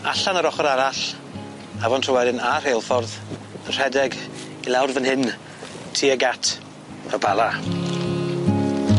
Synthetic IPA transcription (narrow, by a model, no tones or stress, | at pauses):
aɬanaɾɔχɔɾaɾaɬ | avɔntʰrɔwɛdɪnar̥ejlˠfɔrðənr̥ɛdɛɡ | ilˠawrvənɦɪn | tʰiːəɡatʰ | əbalˠa